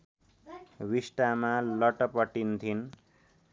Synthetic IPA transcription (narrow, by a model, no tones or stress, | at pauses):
wisʈamalʌʈʌpʌʈint̪ʰin